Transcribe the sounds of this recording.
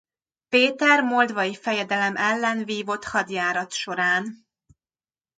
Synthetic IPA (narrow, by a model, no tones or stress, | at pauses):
peːt̪ɛrmold̪vɒjifɛjɛd̪ɛlɛmʔɛlːɛnviːvo̞t̪hɒd̪jaːɾɒt̪ʃo̞ɾaːn